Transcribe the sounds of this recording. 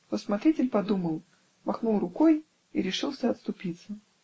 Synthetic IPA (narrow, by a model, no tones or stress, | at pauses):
t̪osmat̪ɾʲitʲɪlʲpɐd̪uməlˠ | maxnulˠrʊkoj | iɾʲɪʂɨlˠsʲəɐt̪st̪ʊpʲit̪sə